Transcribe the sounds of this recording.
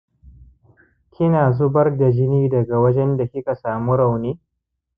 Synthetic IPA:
kʲʰɪ˦naː˨zʊ˦bɐ˦rda˨d͡ʒɪ˦niː˦dɐ˨ɡa˨wɐ˦d͡ʒɛ˦nda˨kʲɪ˦ka˨saː˨mu˦ɽa˨wniː˦

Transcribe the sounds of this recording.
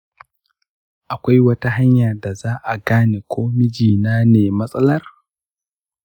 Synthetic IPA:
ʔa˨kʷa˦jwɐ˦ta˦ɦa˦ɲjaː˨da˨zaː˦ʔa˨ɡaː˦neː˨kʷoː˦mɪ˦d͡ʒiː˨naː˦neː˨mɐ˦sʼɐ˦lɐ˦r

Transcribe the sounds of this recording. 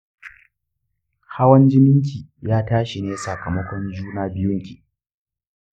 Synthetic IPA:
ha˦wɐ˦nd͡ʒɪ˦mɪ˦ŋk̬ʲiː˨jaː˦taː˦ʃi˨neː˦sɐ˨kɐ˨mɐ˦kʷɔ˦nd͡ʒuː˦naː˦bɪ˦jʊ˦ŋkʲiː˨

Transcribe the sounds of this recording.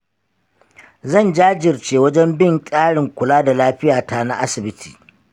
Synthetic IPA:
zɐ˦˨nd͡ʒaː˦d͡ʒɪ˨rt͡ʃeː˨wɐ˦d͡ʒɛ˦mbɪ˦˨ŋkʼaː˦ɽɪ˨ŋkʷʊ˨laː˦da˨laː˦ɸɪ˦jaː˨ta˦na˦ʔa˦sɪ˨bɪ˦tʰi̥ː˨

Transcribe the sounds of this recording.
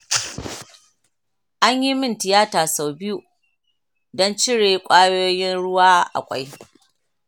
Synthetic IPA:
ʔa˦ɲji˦mɪ˦ntɪ˨jaː˦taː˨sa˨wbɪ˦ju˨ | dɔ˦nt͡ʃɪ˦ɽeː˨kʷʼaː˦joː˦jɪ˦nɽʊ˦waː˦ʔa̰˨kʷʼa̰˦j

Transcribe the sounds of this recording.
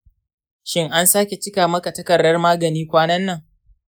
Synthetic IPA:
ʃɪ˦ŋʔa˦nsaː˦kʲe˨t͡ʃɪ˦kaː˨mɐ˦ka˨tɐ˦kɐ˨ɽːɐ˦rmaː˦ɡɐ˨niː˦kʷaː˦nɐ˦nːɐ˨ŋ

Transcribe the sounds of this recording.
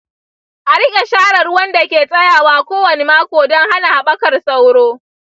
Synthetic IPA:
ʔa˨ɾɪ˦kʲʼe˨ʃaː˦ɽɐ˨rwɐ˦nda˨kʲeː˨sʼɐ˦jaː˨waː˦kʷoː˦wɐ˨ne˦maː˦kʷoː˨dɔ˦ŋɦa˦na˨ha˨ɓɐ˦kɐ˨rsa˦wɽoː˦

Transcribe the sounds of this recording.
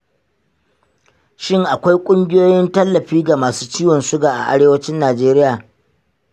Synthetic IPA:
ʃɪ˦ŋʔa˨kʷa˦jkʷʼʊ˦ŋɡʲɪ˦joː˦jɪ˦ntɐ˦lːɐ˨ɸiː˦ɡa˨maː˨suː˦t͡ʃiː˦wɔ˨nsʊ˦ɡaː˨ʔa̰˨ʔa̰˦ɾeː˦wɐ˦t͡ʃɪ˦nːaː˨d͡ʒeː˦ɾɪ˦jaː˨

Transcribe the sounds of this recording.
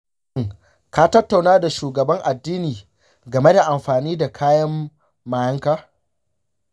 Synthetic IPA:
ŋ | kaː˦tɐ˦tːa˨wnaː˦da˨ʃuː˨ɡɐ˨bɐ˦ŋʔa˨dːiː˦niː˨ | ɡɐ˨me˦da˨ʔa˨mɸaː˨niː˦da˨kʰaː˦jɐ˦mː | aː˨jɐ˦ŋkaː˦

